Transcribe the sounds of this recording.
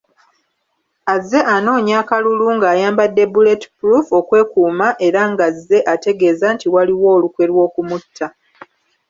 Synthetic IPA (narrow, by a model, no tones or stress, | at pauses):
azːe̞ʔano̞ːɲaːkaluluŋɡaːjaːmbadːe̞buleti̥puɾufo̞kwe̞ːkuːmaʔe̞ɾaŋɡazːe̞ʔate̞ɡe̞ːzantiwaliwo̞ːlukwe̞lwo̞ːkumutʰːa